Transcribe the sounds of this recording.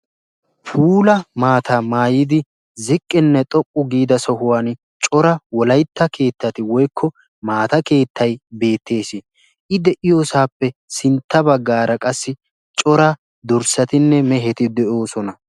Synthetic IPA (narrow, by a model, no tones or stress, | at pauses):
pʰuːlɐmaːt̪ʰamaːjɪd̪ɪ | zɪkʼːɪnːɛt̪ʼɔkʼːʊɡiːd̪ɐsɔɦʊwaːn | t͡ʃʼɔɾɐwɔlɐjt̪ːɐke̞ːt̪ːɐt̪ɪwɔjkʰːɔ | maːt̪ɐke̞ːt̪ʰːɐjbe̞ːt̪ːe̞ːsɪ | ʔɪd̪ɛʔɪjoːsaːpːɛsɪnt̪ːɐbɐɡːaːɾʔɐkʼɐsːɪ | t͡ʃʼɔɾa | d̪ɔɾsɐt̪ɪnːɛmɛɦɛt̪ɪd̪ɛʔo̞ːsɔnɐ